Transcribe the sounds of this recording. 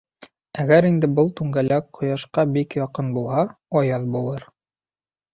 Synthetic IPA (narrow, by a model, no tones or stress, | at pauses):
æɡæɾind̪ɘbɤlˠt̪ʉŋɡælæk̚qʰːŏjɑʃqɑbikjɒqɤnbulˠɦɑɒjɑðbulˠɤɾ